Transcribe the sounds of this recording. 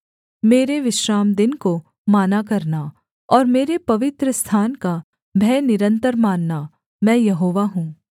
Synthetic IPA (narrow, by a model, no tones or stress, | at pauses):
meːɾeʋɪʃɾaːmd̪ɪnko | maːnakɐɾna | ɔːɾmeːɾepɐʋɪt̪ɾəst̪ʰaːnka | bʱɛːnɪɾə̃nt̪əɾmaːnːa | mɛ̃ːjɐɦoːʋaɦũː